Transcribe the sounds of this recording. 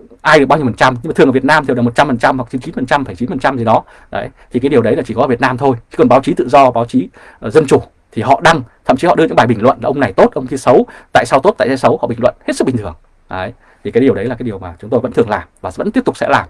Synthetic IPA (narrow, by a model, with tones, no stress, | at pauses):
ʔaː˧jɗɨ˨˩k̚ɓɲi˧əfə˨˩˨t͡ɕa˧mɲɨ˧ma˨˩ɨ˨˩ŋː˨˧˩vt̚naː˧mt̪ʰe˧˩˨m̚˨˩t͡ɕa˧mfə˨˩nt͡ɕa˧mhwk̚t͡ɕi˨˦t͡ɕi˨˦nfə˨˩nt͡ɕa˧mfə˧˩jt͡ɕi˨˦nfə˨˩nt͡ɕa˧mzʰə˨˦ɗɔ˨˦ | ɗə̰˨˦jt̪ʰi˨˩kːa˨˦jɗi˨˩əwɗə˨˦la˨˩t͡ɕi˧˩kɔ˨˦əː˧˩vət̚naː˧mt̪ʰo˧jt͡ɕi˧˥kɔ˨˩ɓaː˨˦wt͡ɕi˨˦t̪ɨ̰˧˨zɔ˧ɓaː˨˦wt͡ɕi˨˦˨ | zə˧nt͡ɕu˧˩ | t̪ʰi˨˩ɦɔ̰˧˨ɗa˧ŋt̪ʰə̰˧˨mt͡ɕi˨˦ɔ̰˧˨ɗɨ˧ə˧ɲɨ̰˧ŋɓːɓï˨˩ŋ̟lwə̰˧˨nʔlːʔə˧ŋ͡mna˨˩jt̪o˦˥t̚ʔə˧wŋ͡mkʰi˧sə˨˦wt̪a̰ː˧˨saː˧wt̪o˦˥t̚t̪a̰ː˧˨˩zaː˧sə˨˦whɔ̰˧˨ɓï˨˩ŋ̟wə̰˧˨nhe˦˥tsɨ˦˥ɓï̟˨˩t̪ʰɨ˨˩əŋ | ʔə˨˦j | t̪ʰi˨˩kaː˨˦jɗi˨˩əwɗə˨˦laː˨˩aː˨˦jɗi˨˩əwmaː˨˩t͡ɕʊ˨˦ŋ͡mt̪o˧jvə̰˧˥t̪ʰəŋlaː˨˩mvaː˨˩və̰˧˥nt̪i˦˥p̚t̪k͡psɛ̰˧˥laː˨˩m